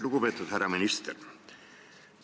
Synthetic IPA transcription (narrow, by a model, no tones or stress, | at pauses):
lukupet̪ːˑud̪hærːɑminist̪ḛr